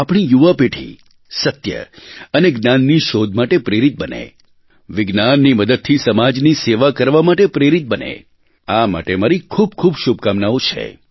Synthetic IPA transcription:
apɽ̃ijuʋapeʈʰḭ | sət̪jə̰əneɡnanːiʃod̪ʱmaʈepɾeɾit̪̚bənḛ | ʋɪɡnanːiməd̪əd̪̚t̪ʰisəmad͡ʒniseʋakəɾʋamaʈepɾeɾit̪̚bənḛ | ama̰ʈemaɾikʰub̚kʰubʃub̚kamnaot͡ʃʰḛ

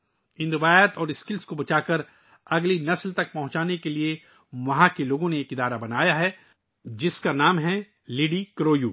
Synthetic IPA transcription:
ɪ̃nɾɪʋaːjət̪ɔːɾɪskɪlskobɐt͡ʃaːkɐɾ | ɐɡlinɐslt̪ɐk̚pɐɦʊ̃t͡ʃaːnekelie | ʋɐɦãkeloːɡõneːkɪd̪aːɾabɐnaːjaɦɛ | d͡ʒɪskanaːmɦɛ | lɪːɖikɾoːjuː

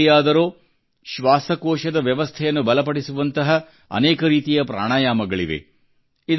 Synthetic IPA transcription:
ijaːd̪ɐɾoː | ʃʋaːsɐkoːʃɐd̪ɐʋjɐʋɐst̪ʰɛjɐnːubɐlɐpɐɽisuʋɐnt̪ɐɦɐ | ɐ̰neːkɐɾiːt̪ijɐpɾa̰ːɳ̃aːjaːmɐɡɐɭiʋe̞̰ | id̪

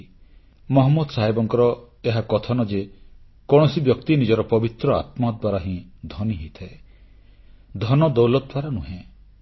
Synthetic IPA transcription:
mɔɦɔmːɔd̪ɔsaɦebɔŋkɔɾɔ | eɦakɔt̪ʰɔnɔd͡ʒe | kɔɽ̃ɔsibjɔkt̪inid͡ʒɔɾɔpɔbit̪ɾɔa̰t̪mɔd̪ʱwaɾaɦĩd̪ʱɔniɦit̪ʰae | d̪ʱɔnɔd̪ɔwlɔd̪̚ʱwaɾanũɦẽ

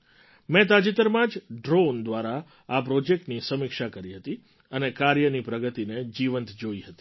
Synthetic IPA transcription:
mɛ̃t̪̬ad͡ʒit̪əɾmãd͡ʒɖɾond̪ʋaɾa | apɾɔd͡ʒek̚ʈnisəmikʃakəɾiɦət̪i | ənekaɾjənipɾəɡət̪ined͡ʒiʋənt̪d͡ʒoiɦət̪i̥

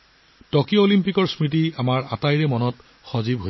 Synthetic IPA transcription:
tɔkjoolimpikɔɹsmɹit̬iamaɹa̰tajɹɛmɔnɔt | xɔzibɦo

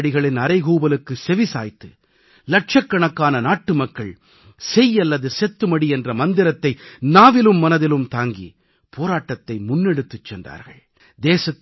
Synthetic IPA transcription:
ɽɪɣɐɭɪnɐɾɐɪɣuːbɐlɯkːɯsɛʋisa̰ːjt̪ːɯ | lɐʈ̚ʂɐkːɐɳɐkːaːnɐnaːʈːɯmɐkːɐɭ | sɛjːɐlːɐðɯsɛt̪ːɯmɐɽiɛndrɐmɐnd̪ɪɾɐt̪ːɐɪnaːʋɪlɯmːɐnɐðɪlɯmt̪aːŋɡḭ | pʰoːɾaːʈːɐt̪ːɐɪmʊnːɛɽɯt̪ːɯt͡ʃːɛndra̰ːɾɣɐ̰ɭ | d̪eːsɐt̪ː

